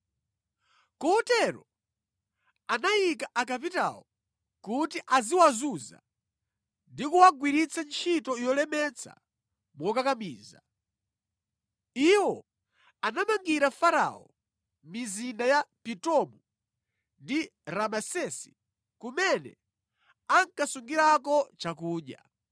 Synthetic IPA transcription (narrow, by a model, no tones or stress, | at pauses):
kɔtɛɾɔ | anajikaʔakap̬ita̰ɔ | kutiʔaziwazuza̰ | ndikuwaɡwiɾit͡sʰant͡ʃʰitɔijɔlɛmɛt͡sʰa̰ | mɔkakamiːza̰ | iwɔ | anamaŋɡiɾafaɾa̰ɔ | mizindajapitɔmu | ndiɾamasɛsi̥ | kumɛnɛ̰ | aŋkasuŋɡiɾakɔt͡ʃakuːɲa̰